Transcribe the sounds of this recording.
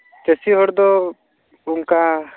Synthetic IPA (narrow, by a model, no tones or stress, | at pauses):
t͡ʃesiɦɔɽd̪ɔ | uŋka